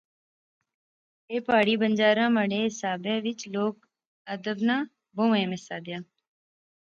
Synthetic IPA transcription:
eːpaːɽiːbənd͡ʒaːɾãːməɽeːɪsaːbẽːʋɪt͡ʃloːk | əd̪əbnãː | bõːʋẽːmɪsaːd̪ɪjãː

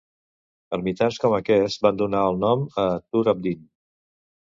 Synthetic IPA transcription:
əɾmit̪anskɔməkɛsband̪unaəlˠnɔmət̪uɾəb̚d̪in

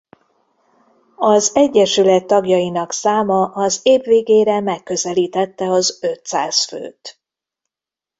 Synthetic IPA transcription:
ɒzɛɟːɛʃylɛt̪ːɒɡjɒjinɒksaːmɒʔɒzeːbveːɡeːɾɛmɛkːø̞zɛliːt̪ɛt̪ːɛɒzøt̪saːsfø̰ːt̪

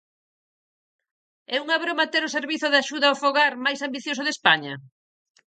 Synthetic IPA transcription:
ɛuŋaβɾomat̪eɾoseɾβiθʊðaʃuðaofoɣaɾmajsambiθjos̬ʊðespaɲɐ

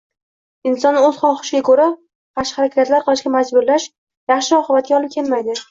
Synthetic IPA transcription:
ɪnsɒnɵz̥χɒχɨ̥ʃɪɡʲakʰɵɾa | qʰɑʃχɑɾakʲʰat̪laɾqʰɨlɪʃɡʲamad͡ʒbʊɾlaʃ | jɑχʃɪɒqʰɨbat̪̚ɡʲaɒlˠɪp̚kʲʰe̞lmajd̪ɪ

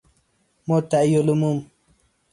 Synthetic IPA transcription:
mot̪ajolumum

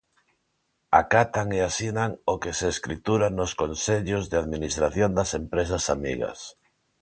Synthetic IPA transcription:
a̰kat̪aŋeasinaŋokeseːskɾit̪uɾanʊskonseʎʊzðɪaðminist̪ɾaθjond̪asempɾes̬asamḭɣɐ̰s

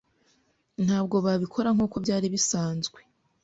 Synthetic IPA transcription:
n̥haːb̚ɡo̞βaβikʰo̞ɾaŋ̥uːko̞bɟaːɾiβisaːnzɡwe̞

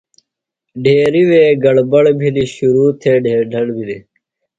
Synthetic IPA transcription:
ɖʱeːɾiweːɡɐɽbɐɽbʱiliɕuɾuːt̪ʰeːɖʱeːɾɖʱɐɽbʱili

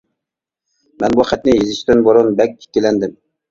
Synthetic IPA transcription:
mɛnbuχæt̪nɪjezɪʃt̪ɪnboɾonbɛk̚ʲːe̥t̪ʲelɛnd̪ɪm

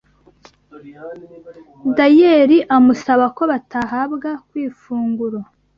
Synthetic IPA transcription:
dajeɾiʔamusaβako̞βatʰaɦabɡakwiːfuːŋɡuɾa

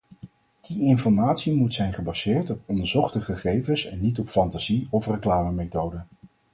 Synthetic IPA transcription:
d̥iɪnfɔɹmaːtsimutsɛjnχəbɑzɪːɹtɔpɔndəɹzɔχtəχəχejvənsɛnːitɔpfɑntaziɔfrəklaːməmejtowdə

